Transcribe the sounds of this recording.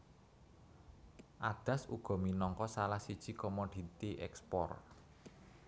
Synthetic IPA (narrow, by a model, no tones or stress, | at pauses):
ʔad̪̥ä̤sṵɡ̥ɔ̤minɔŋkɔsalahsid̥ʒ̥i̤kɔmod̪̥i̤t̪iʔɛkspɔ̰r